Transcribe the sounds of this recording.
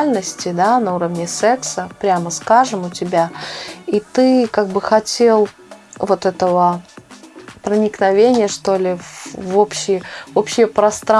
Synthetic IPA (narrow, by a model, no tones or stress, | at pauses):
lʲnəsʲtʲɪd̪anɐuɾəvnʲɪsɛksəpɾʲaməskaʐɨmʊtʲɪbʲait̪ɨkaɡ̚bɨxɐtʲelˠ | vo̞t̪ɛt̪əvə | pɾənʲɪknɐvʲenʲɪjəʂt̪o̞lʲɪvvo̞pɕːɪjvo̞pɕːɪjəpɾɐst̪ɾa